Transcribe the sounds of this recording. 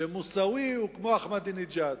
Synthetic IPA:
emusawiukmoːxmɐd̪inid͡ʒaːd̪

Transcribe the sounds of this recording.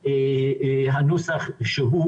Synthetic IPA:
e | ɦanosaχʃəɦu

